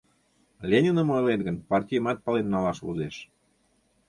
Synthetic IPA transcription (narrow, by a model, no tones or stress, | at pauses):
lʲenʲinəmojlet̪ɡənpɑrtʲijəmɑt̪̚pɑlenːɑlɑʃvṵzeʃ